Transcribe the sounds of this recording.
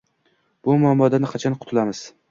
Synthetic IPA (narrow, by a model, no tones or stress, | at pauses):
b̥ʊmʊamːɒd̪anɪqʰɑt͡ʃʰanqʰʊt̪ʰʊlamɪz̥